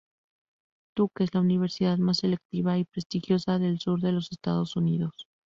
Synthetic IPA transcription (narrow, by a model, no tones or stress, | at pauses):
t̪ukezlauniβ̞e̞ɾsiðaðmase̞le̞k̚t̪iβaipɾe̞st̪ixjo̞saðe̞lsuɾðe̞lo̞se̞st̪a̰ð̞o̞suniðo̞s